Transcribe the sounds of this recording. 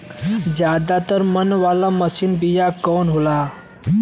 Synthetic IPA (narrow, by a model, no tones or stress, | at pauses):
d͡ʑjad̪at̪əɾmənʋalaməsiːnbijakɔnɦola